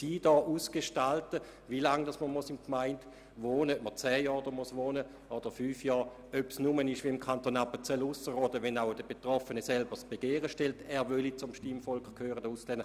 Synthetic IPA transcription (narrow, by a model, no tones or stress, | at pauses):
siːd̥ɔːʔuːsɡ̥eʃtaltə | ʋilaŋd̥asməmusɪmkmaɪnd | ʋoːnəømət͡sɛːjɔːʁdomusʋoːnə | od̥əfyːfjɔːʁ | øpsnumənɪʃviimkʰant̪oːnapət͡sɛlːusəʁoːdəʋɛnaʊd̥əb̥etʁɔfənəsɛlbəsb̥eɡ̥eːʁəʃtɛltɛːɐʋølit͡sʊmʃtimfɔlkkʰhøːʁədɔuslɛnd̥̪